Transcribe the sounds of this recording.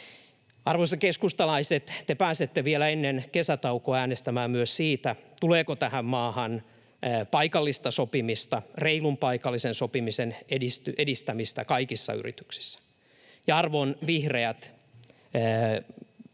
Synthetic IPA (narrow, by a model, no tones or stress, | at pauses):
ɑrʋoisɑkeskust̪ɑlɑiset̪t̪epæːset̪ːeʋielæenːenkesæt̪ɑukoæːnest̪æmæːmmyøssiːt̪æt̪uleːkot̪æhæmmɑːhɑnː | pɑikɑlːist̪ɑsopimist̪ɑreilumpɑikɑlːisensopimisenedist̪yʔedist̪æmist̪ækɑikisːɑ̰y̰rḭt̪y̥ksi̥sːæ̥ | jɑɑrʋonʋihreæt̪ː